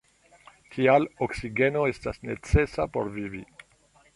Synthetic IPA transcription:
tʰialoksiɡe̞noe̞stasne̞t͡se̞sapo̞̰ɾvivi

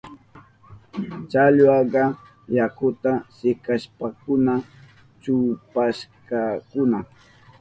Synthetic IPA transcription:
t͡ʃaʎwɑɢɑ | jakʊt̪asɪkaʃpakʊna | t͡ʃʊpaʃkɑkʊna

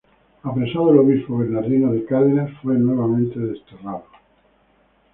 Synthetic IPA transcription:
apɾesaðoelo̞βispoβeɾnaɾðinoðekaðenasfwenwe̞βamẽnt̪eðest̪eraðo

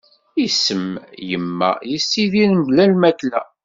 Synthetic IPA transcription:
isːəmjəmːæ̰jəsːiðinmblælmæklæ̰

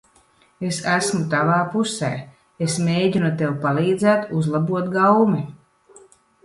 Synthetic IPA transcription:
esæsmut̪avaːpusɛ̰ː | esmʲeːɟinut̪ewpalˠiːd̪zæːt̪uzlˠabuɔt̪ɡawmi

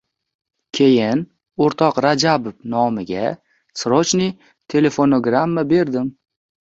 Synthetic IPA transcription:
kʲʰe̞jɪn | oɾt̪ʰɒqɾad͡ʒabovnɒmɪɡʲa | sɾot͡ʃni | t̪ʰe̞le̞fonoɡɾamːabe̞ɾd̪ɪm

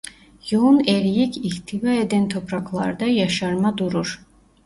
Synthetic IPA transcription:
jounɛɾjicʰiht̪ʰivaed̪ɛnt̪ʰopʰɾɑkʰlˠɑɾd̪ɑjɑʃɑɾmad̪uɾuɾ

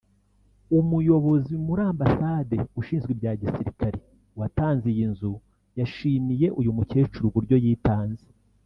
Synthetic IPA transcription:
umujo̞βo̞zimuɾaːmbasaːde̞uʃiːnzɡwebjaːɟisiɾikaɾe | wataːnzijinzu | jaʃiːmije̞ʔujumuce̞ːt͡ʃuɾuɡuɾɟo̞jiːtaːnze

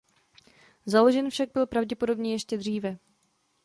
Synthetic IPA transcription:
zalo̞ʒɛnfʃaɡ̚bɪlpɾavɟɛpo̞do̞bɲɛjɛʃcɛd̪r̝iːvɛ

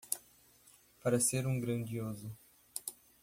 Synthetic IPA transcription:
paɾɐseɾũɡɾɐ̃nd͡ʒiozʊ

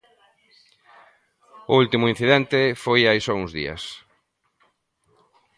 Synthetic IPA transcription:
ʊult̪imʊin̟θiðɛnt̪efojajsɔuŋzðḭɐ̰s

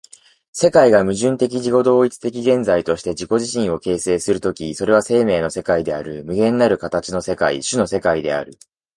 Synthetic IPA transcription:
se̞kaiɡamɯ̟ʑɨ̃nt̪e̞k̬ʲiʑiko̞d̪o̞ːit͡sɨ̥t̪e̞kʲiɡẽ̞nd͡zait̪o̞ɕi̥t̪e̞ʑiko̞ʑiɕĩɰ̃o̞ke̞ːse̞ːsɨɾɯ̟t̪o̞kʲiso̞ɾe̞β̞ase̞ːme̞ːno̞se̞kaid̪e̞aɾɯ̟mɯ̟ɡẽ̞nːnaɾɯ̟kat̪at͡ɕino̞se̞kaḭɕɨno̞se̞kaid̪e̞̰a̰ɾɯ̟

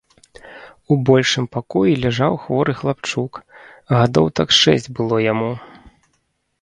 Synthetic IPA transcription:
ubɔlʲʂɨmpakɔjilʲaʐawxvɔɾɨxlˠapt͡ʂuk | ɣad̪ɔ̰wt̪a̰kʂɛ̰sʲd͡zʲbɨlˠɔjamu

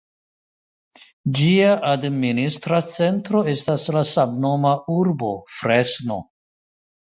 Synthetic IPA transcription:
d͡ʒiaʔadministɾat͡se̞ntɾo̞e̞staslasamno̞mauɾbo̞fɾesno̞̰

